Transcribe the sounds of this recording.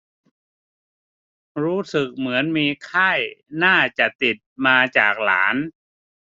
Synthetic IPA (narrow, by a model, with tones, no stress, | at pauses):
ɾuː˦˥sɯ˨˩k̚mɯ˩˦ənmiː˧kʰa˥˩jnaː˥˩t͡ɕa˨˩ʔt̪i˨˩t̪̚maː˧t͡ɕaː˨˩k̚la̰ː˩˦n